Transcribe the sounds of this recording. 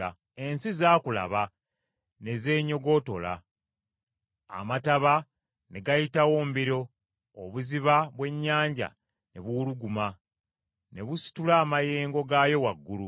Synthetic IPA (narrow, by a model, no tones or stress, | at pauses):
a | e̞nsizaːkula̰βa | ne̞ze̞ːɲo̞ɡo̞ːto̞̰la̰ | mataβa | ne̞ɡajitawo̞ːmbiɾo̞ː | βuziβaβwe̞ɲːaːɲɟa̰ | ne̞̰βuluɡuma | ne̞βusi̥tulaːmaje̞ːŋɡo̞ɡajo̞waɡːulu